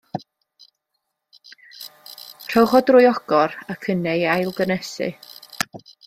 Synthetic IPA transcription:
r̥ɔwχɔdrʊːjɔɡ̥ɔɾəkʰənɛjajlˠɡənɛsɨ̰

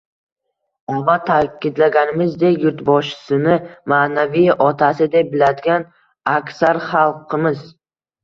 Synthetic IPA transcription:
ɒmat̪ʰakʲʰɪd̪laɡʲanɪmɪzd̪e̞kʲjʊɾt̪bɒʃɪ̥sɪnɪmaːnavijʔɒt̪ʰasɪd̪ebɪlad̪ɪɡʲan | akʲsaɾχalˠqʰɨmɪz

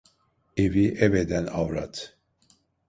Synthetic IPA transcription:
eviʔɛvɛd̪ɛna̰vɾa̰t̪ʰ

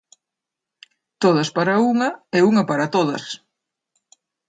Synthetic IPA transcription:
t̪oðɐspaɾɐuŋɐɛuŋɐpaɾɐt̪oðɐ̰s

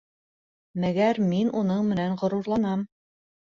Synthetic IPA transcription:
mæɡæɾminʔunɤɴmɘ̆nænʁŏɾuɾlˠɑnɑm

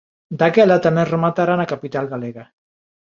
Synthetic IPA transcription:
d̪akɛlat̪amerəmat̪aɾanakapit̪alˠɣaleɣa

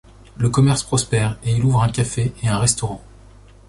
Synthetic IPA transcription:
ləkɔmɛʁspχɔspɛːʁeiluvʁɛ̃kʲafeeɛ̃ʁɛst̪ɔʁɑ̃

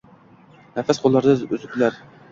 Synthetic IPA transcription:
næfæsqʰolˠːɑɾd̪ɨyzyklæɾ

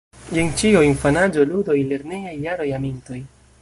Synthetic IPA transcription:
jeŋt͡ʃioinfanad͡ʒo̞ludo̞jle̞ɾne̞jajːaɾo̞jaminto̞j

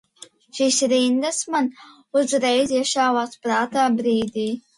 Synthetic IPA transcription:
ʃisɾind̪asman | ʊzɾɛjzjɛʃaːwaːspɾaːt̪aːbɾiːd̪ʲiː

